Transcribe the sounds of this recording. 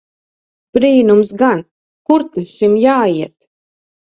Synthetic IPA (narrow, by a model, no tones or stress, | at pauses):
pɾiːnumsɡan | kuɾt̪iʃimjaːiɛt̪